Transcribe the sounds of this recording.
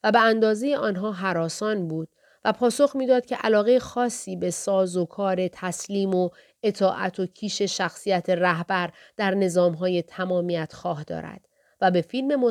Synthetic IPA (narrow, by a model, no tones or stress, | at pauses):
væbeænd̪ɒːze̞jeʔɒːnɦɒːɦæɾɒːsɒːnbuːd̪̥ | væpʰɒːso̞xmiːd̪ɒːd̪̥̚cʲʰeʔælɒːɣe̞jexɒːsːiːbe̞sɒːzokʰɒːɾe̞t̪ʰæsliːmo | e̞t̪ʰɒːʔæ̰t̪ʰocʰiːʃe̞ʃæxsiːjæt̪ʰe̞ræɦbæɾd̪̥æɾne̞zɒːmɦɒːje̞t̪ʰæmɒːmijæt̪ʰxɒːhd̪ɒ̰ːɾæ̰d̪̥ | væbe̞fiːlme̞mo